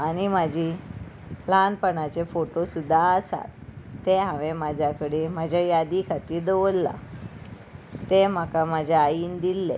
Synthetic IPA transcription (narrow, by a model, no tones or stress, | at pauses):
aɽ̃imad͡ʑʱi | lanpəɳat͡ɕefoʈosud̪ʱːaəsa̰t̪ːeɦãʋemad͡ʑʱjakəɽemad͡ʑʱjajad̪ikʰat̪iːɾd̪oʋəlːa̰ | t̪em̤əkamad͡ʑʱaaiːnd̪ilːḛ